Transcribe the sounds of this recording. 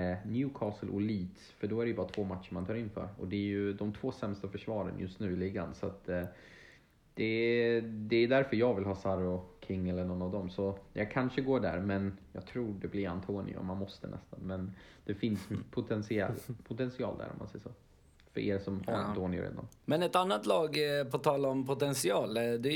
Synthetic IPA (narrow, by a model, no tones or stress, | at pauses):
njʉːkʰɑːsəlʔʊ̰liːt̪ | fœɖɔæɾɛjɵbɑːɾat̪ʰvoːmat̪ʂəmant̪ʰɑːɾɪnːfœ̰ːɾɔ̰d̪ɛjɵd̪ɔmt̪ʰvoːsɛmst̪afœʂvɑːɾə̰njɵst̪nʉ̟ːɪliːɡa̰nsat̪ | d̪̥ɛ | d̪ɛːd̪æɾfœɾjɑːɡvɪlɦɑːsaɾʊkʰɪŋːɛlːəɳɔnːavd̪ɔmsɔjɑɡ̚kʰanʂəɡoːɖæ̰ɾmɛnjɑːɡt̪ʰɾuːɖɛblɪɾa̰nt̪ʰoːnɪ̰ʊ̰manmɔst̪ənɛ̰st̪anmɛn | d̪̥ɛfɪnspʰʊt̪ʰɛnsɪɛlpʰʊt̪ʰɛnsɪɑ̰ːld̪æ̰ːɾʔɔ̰ma̰nsɛjːəsoː | fœɾḛːɾsɔmhaɾa̰nt̪ʰoːnɪʊ̰ɾḛːd̪a̰nmɛnɛt̪anːat̪lɑːɡpʰɔt̪ʰɑːlaɔmpʰʊt̪ɛnsɪɑːld̪ɛ